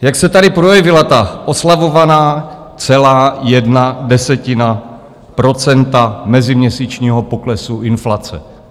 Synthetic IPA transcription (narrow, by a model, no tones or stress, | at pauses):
jaksɛt̪adɪpɾo̞jɛvɪlat̪aʔo̞slavo̞vanaː | t͡sɛlaːjɛdnadɛsɛcɪna | pɾo̞t͡sɛnt̪amɛzɪmɲɛsiːt͡ʃɲiːɦo̞po̞klɛsuʔɪnflat͡sɛ̰